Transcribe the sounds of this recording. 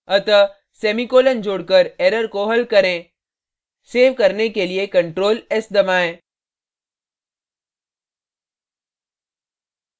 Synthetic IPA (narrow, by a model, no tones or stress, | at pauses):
ɐt̪ə | seːmikoːlənd͡ʒoːɽkəɾeːɾəɾkoɦɐlkɐɾẽ | seːʋkɐɾnekeliekɐ̃ɳʈɾoːlɪsd̪ɐmaːẽː